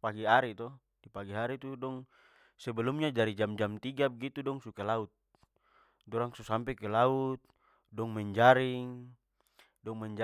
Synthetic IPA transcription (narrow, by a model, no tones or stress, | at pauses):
paɡiɦaɾit̪ɔ | dipaɡiɦaɾit̪udɔŋ | sɛbɛlɔmɲad͡ʒaɾid͡ʒamd͡ʒamt̪iɡabɛɡit̪udɔŋsukalaut̪̚ | dɔɾaŋsusampɛkɛlaut̪̚ | dɔŋmɛɲd͡ʒaɾiŋ | dɔŋmɛɲd͡ʒ